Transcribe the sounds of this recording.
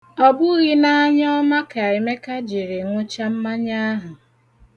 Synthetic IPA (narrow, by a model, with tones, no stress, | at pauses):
ɔ˦bʊ˦ɣi˦na˦ɲ˦ɔ˦ma˦ka˨ɪ˨me˦ka˦d͡ʒi˨ɾɪ˨ŋʷʊ˦t͡ʃa˦m̩˦ma˦ɲa˦ɦʊ˨